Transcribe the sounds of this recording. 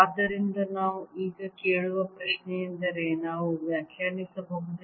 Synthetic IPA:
ɐd̪ːɐɾind̪ɐnaːʋuiːɡɐkeːɭuʋɐpɾɐʃnejind̪ɐɾenaːʋuʋjaːkʰjaːɾnisɐboːɡut̪ːe

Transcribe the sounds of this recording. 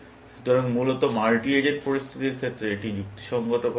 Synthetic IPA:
ʃut̪ɔɾaŋmulot̪omalʈied͡ʑeɾpoɾist̪ʰit̪iɾkʰet̪ːɾeeʈid͡ʑuk̚t̪i̥ʃɔŋɡot̪ok

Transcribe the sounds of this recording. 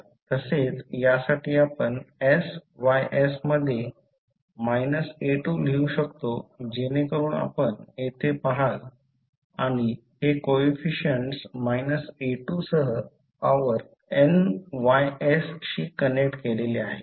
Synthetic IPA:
t̪əset͡sjasaʈiːapəɳesʋajʔesməd̪ʱːje | majnəseʈul̤iũɕəkt̪od͡ʑenekəɾuːɳa̰pəɳjet̪ʰepaɦal | aɽ̃i | hekoefiɕəɳʈsmajnəseʈusəɦə | paʋəɾ | enʋajesɕiːkənek̚ʈkeleleaɦe

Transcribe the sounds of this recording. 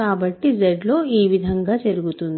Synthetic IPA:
aːbɐʈːid͡ʒeɖlo̞ːiːʋid̪ʱɐŋɡaːt͡ʃeɾuɡut̪und̪

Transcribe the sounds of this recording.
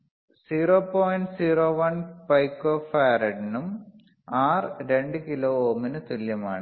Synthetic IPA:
siːroːpoːjɳʈsiːroːʋɐnpɐjkːoːfaːɾɐɖinum | aːrɾe̞ɳɖɨkiloːoːminɨt̪uljɐma̰ːɳɨ

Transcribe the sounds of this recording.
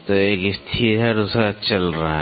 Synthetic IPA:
t̪oeːkɪst̪ʰiɦɛɾusɾat͡ʃɐlɾaa

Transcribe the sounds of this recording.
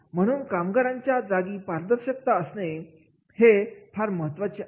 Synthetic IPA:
m̤əɽ̃uːnkamɡaɾãɲt͡ɕjad͡zaɡiːpaɾd̪əɾɕək̚t̪aəsne | het̪ʰaɾməɦət̪ʋat͡ɕe

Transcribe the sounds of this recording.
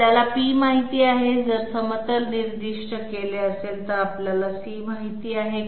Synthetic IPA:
jalapiːmaɦit̪iːaɦed͡zəɾsəmət̪əlniɾd̪iʂʈəkeleəselt̪əɾapljalasiːmaɦit̪iːaɦe

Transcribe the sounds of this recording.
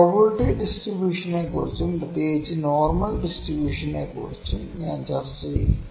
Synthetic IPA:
pɐʋɐɾʈiɖisʈɾibjuːʂɐneːkṵːɾut͡ʃːumd̪ɐt̪eːd͡ʑinoːɾmɐlɖisʈɾibjuːʂɐneːkṵːɻit͡ʃːumɲaːnt͡ʃɐɾsiḭ

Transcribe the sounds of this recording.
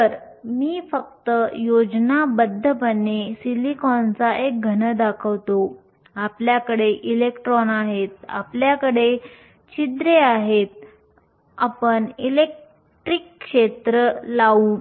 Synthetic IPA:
əɾ | miːfək̚t̪əjod͡ʑnabəd̪ʱːəpənːesilikɔnt͡saʔek̚ɡʱənəd̪akʰəʋt̪o | apljakəɽeʔilekʈɾɔnaɦet̪̚a̰pljakəɽe | t͡ɕid̪ɾeaɦet̪̚ | apəɳilek̚ | ʈɾikːʂet̪ɾəlauː

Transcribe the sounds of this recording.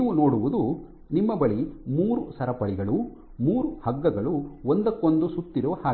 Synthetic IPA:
nːʋuno̞ːɽuʋud̪u | nimːɐbɐɭimuːɾusɐɾɐpɐɭiɡɐɭu | muːɾuhɐɡːɐɡɐɭuond̪ɐkːond̪usut̪ːiɾuʋɐhaː

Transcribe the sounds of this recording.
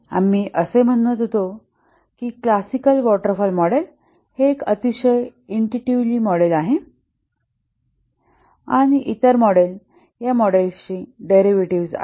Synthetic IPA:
a̰mːiːʔəsem̤əɽːət̪ɦot̪o | kiːklasikəlʋɔʈəɾfɔlmɔɽel | hekət̪iɕəjiɳʈiʈiʋliːmɔɽelaɦe | a̰ɽ̃iʔit̪əɾmɔɽel | jamɔɽelɕiɖeɾiʋeʈiʋsa̰

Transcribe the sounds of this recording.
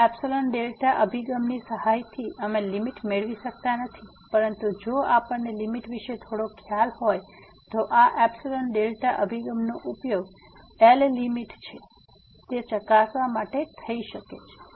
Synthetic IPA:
ɛpsoləɳʈɖelʈaʔəbʱiɡəmnisəhajt̪ʰiʔəmẽlimiʈmeɭʋiʃək̚t̪anət̪ʰi | pəɾənt̪ud͡ʒoapəɳnelimiʈʋiʃet̪ʰoɽokʰjalhoj | t̪oʔaʔɛbsoləɳɖelʈaʔəbʱiɡəmnoʔupjoɡ | ellimiʈt͡ʃʰe | t̪et͡ʃəkasʋamaʈet̪ʰəiʃəket͡ʃʰe̥

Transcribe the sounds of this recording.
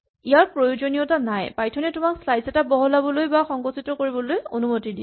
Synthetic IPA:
ijaɹpɹojozonijɔtanajpajtʰɔnɛtʊmakslajsɛtabɔɦɔlabɔlojbaxɔŋɡɔtsitɔkoɹibɔlojonumotidi

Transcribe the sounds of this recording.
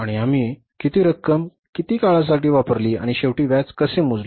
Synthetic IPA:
aɽ̃iam̤iː | kit̪iːɾəkːəm | kit̪iːkaɭas̬aʈiːʋapəɾliːa̰ɽ̃iɕeʋʈiːʋjat͡skəsem̤ud͡zle

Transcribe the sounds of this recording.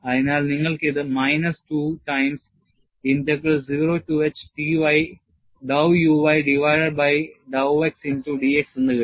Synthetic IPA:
ɐðinaːɭniŋːɐɭket̪ɨmɐjnɐstuːʈɐjms | ind̪ɐkːɐsziʋɾoːʈuet͡ɕʈiʋɐj | ɖɐwjuʋɐjɖiʋɐjɖɐɖbɐjɖɐeksinʈuɖieksinːɨkɐ

